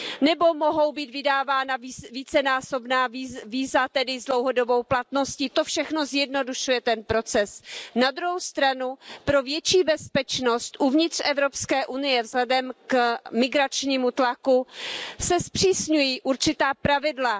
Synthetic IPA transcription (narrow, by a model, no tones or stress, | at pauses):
nɛbo̞mo̞ɦo̞wbiːt̪vɪdaːvaːnaviviːt͡sɛnaːso̞bnaːiviːzat̪ɛdɪzdlowɦo̞do̞bo̞wplat̪no̞scɪt̪ofʃɛxno̞zjɛdno̞duʃujɛt̪ɛnpɾo̞t͡sɛsnad̪ɾuɦowst̪ɾanupɾo̞vjɛt͡ʃiːbɛspɛt͡ʃno̞st̪ʔuvɲɪt̪r̝̥ɛvɾo̞pskɛːʔunɪjɛvzɦlɛdɛmkmɪɡɾat͡ʃɲiːmut̪lakusɛspr̝̥iːsɲujiːʔuɾt͡ʃɪt̪aːpɾavɪdla